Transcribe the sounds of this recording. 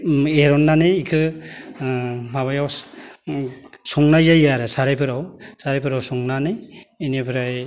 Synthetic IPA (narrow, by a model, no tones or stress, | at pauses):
eɾɔnːanɯjːkʰɯ | maβajaw | sɔŋnajzajaɾɯsaɾajpʰɯɾawsaɾajpʰɯɾawsɔŋnanɯjenebʰɾaj